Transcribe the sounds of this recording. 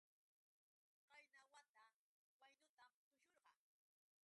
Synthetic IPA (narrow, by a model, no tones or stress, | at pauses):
qɑjnawat̪a | wajnʊt̪amt̪ʊjoɾɢɑ